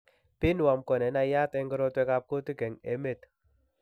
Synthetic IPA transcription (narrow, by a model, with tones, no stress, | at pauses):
pɪ˦nwa˨mkɔ˨nɛ˨˦na˨ja˦tɛ˦ŋɡɔ˦ɾo˦twɛ˦ka˦p̚ko˦ti˦ke˨ŋḛ˨me˦˨t